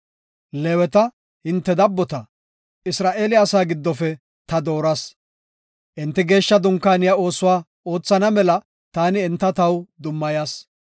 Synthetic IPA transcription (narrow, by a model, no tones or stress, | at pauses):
lewɛt̪ɐ | hɪnt̪ːɛd̪ɐbːɔt̪ɐ | ɪsɾaːʔe̞ːlɪɐsaːɡɪd̪ːɔfɛ | t̪ɐd̪o̞ːɾɐs | ʔɪnt̪ːɪɡe̞ːʃːɐd̪ʊŋkːaːnɪjao̞ːsʊwaː | o̞ːt͡sːɐnɐmɛlɐ | t̪aːnɪːnt̪ːɐt̪ɐwd̪ʊmːɐjaːs